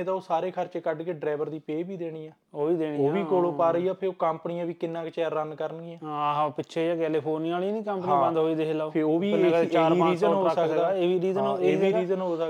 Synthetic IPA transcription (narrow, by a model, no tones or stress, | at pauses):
t̪ãːoːsaːɾeːkʰəɾt͡ʃeːkəɖkeːɖɾaːʋəɾd̪iːpeːbiːd̪eːɽ̃iːãː | oːʋiːd̪eːɽ̃iːoːʋiːkoːloːpaːɾəiːaːpʰɪɾoːkəmpənɪjãːʋiːkɪnːãːket͡ʃɛːɾːənkəɾənɡiːãːaɦãːpɪtːʃʰeːaːkɛːlipʰoːɾniːaːliːnĩːkəmpəniãːbə̃nd̪ɦoːiːd̪ekʰːlaːoːpʰeoːʋiːnẽːkːt͡ʃaːɾiãɾiːzəoːɦoəəkd̪aːeːʋiːɾiːzənoeːiːɾiːzənɦoːsək